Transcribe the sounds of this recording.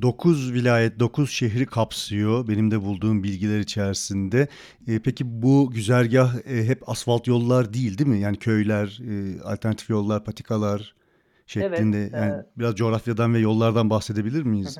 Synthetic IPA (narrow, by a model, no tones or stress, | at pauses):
d̪o̞kʰuzvilʲaːjɛt̪̚d̪o̞kʰuz̥ʃeɦɾikʰapsɯjo̞be̞nimd̪ɛbulˠd̪uːmbilʲɟilʲɛɾit͡ʃʰɛɾsind̪ɛː | pʰecibuɟyzæɾɟahɦɛpasfalˠt̪jo̞lˠːaɾd̪ijːilʲd̪imɪjaːnicʰø̞jlʲæɾa̰lʲt̪ʰæɾnat̪ʰifjo̞lˠːaɾpʰat̪ʰi̥kʰalˠaɾ̥ | ʃɛlʲind̪ɛjaːnibiɾazd͡ʒo̞ɾafjad̪anvɛjo̞lˠːaɾd̪anbaxsed̪e̞bilʲiɾmijiz̥